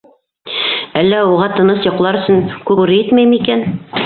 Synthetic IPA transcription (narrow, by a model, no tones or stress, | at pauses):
ælːæuʁɑt̪ɤ̆nɤsjŏqlˠɑɾɵ̆sɵnkʉɡʉɾɘjɘt̪mæjmikæn